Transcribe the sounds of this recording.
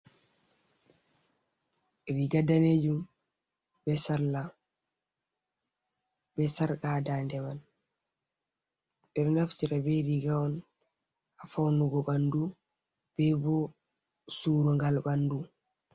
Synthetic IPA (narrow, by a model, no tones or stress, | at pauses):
ɾiɡadaned͡ʒum | bɛsaɾla | bɛsaɾkadandɛman | bɛɾnaftiɾabɛɾiɡaɔn | afawnuɡɔbandu | b̥ɛbɔ | suɾɔŋɡalbandu